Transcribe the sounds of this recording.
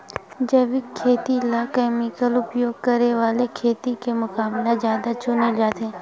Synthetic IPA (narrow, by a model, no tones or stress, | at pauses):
d͡ʒəʋɪkʰːeːt̪ilakɛːmɪkəlʊpjoːɡ̚kəɾeʋaːlekʰeːt̪ikemʊkaːblazjaːd̪at͡ʃʊned͡ʒaːt̪ẽː